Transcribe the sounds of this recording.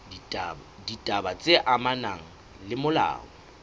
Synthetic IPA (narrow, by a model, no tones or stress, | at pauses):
ditʼabat͡sʼeʔamanaŋ̩ | lɪmʊla̰ːŋɔ